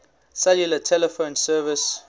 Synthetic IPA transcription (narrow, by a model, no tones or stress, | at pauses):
sɛljulətʰɛlɛfõnsɜvɪs